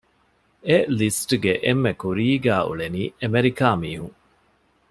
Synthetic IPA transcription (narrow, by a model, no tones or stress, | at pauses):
elisʈɡeʔemːekuɾiːɡæːṵɭeniːemeɾikaːmiːɦuŋ